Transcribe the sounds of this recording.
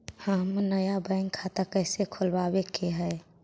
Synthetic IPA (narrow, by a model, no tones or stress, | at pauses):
həmnəjabəɪŋɡkʰat̪akəɪsekʰolbabekeɦɛ